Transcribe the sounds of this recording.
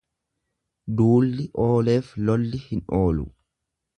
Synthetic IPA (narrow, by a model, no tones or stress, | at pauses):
d̪uːlːɪʔo̞ːle̞ːflɔlːɪhɪnʔoːlʊ̰